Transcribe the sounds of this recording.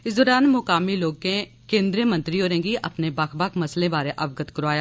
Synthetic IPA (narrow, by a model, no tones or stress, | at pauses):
ɪsd̪ɔːɾaːnmʊkaːmiloːɡ̚kẽ | kẽːnd̪ɾiəmɐ̃nt̪ɾioːɾẽːŋɡiʔɐpnebɐkʰbakʰmɐslẽbaːɾẽʔɐʋɡət̪kəɾaːjaː